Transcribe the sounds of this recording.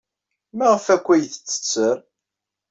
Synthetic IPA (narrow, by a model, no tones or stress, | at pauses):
mæʁəfækʷːæjθə̥t͡sːə̥t͡sːəɾ